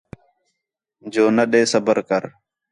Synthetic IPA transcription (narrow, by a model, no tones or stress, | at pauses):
d͡ʒoːnəɗeːsəbəɾkəɾ